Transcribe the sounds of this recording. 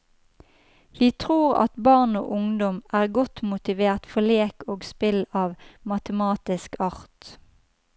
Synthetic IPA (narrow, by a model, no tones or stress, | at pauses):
ʋiːt̪ʰʁuːʁɑ̰t̪bɑʁno̰ːʔʊŋd̪ɔmʔæːʁɡɔt̪mʊt̪ɪʋeːʁt̪fɔleːkoːɡspɪlɑːʋmɑt̪əmɑːt̪ɪskɑʁt̪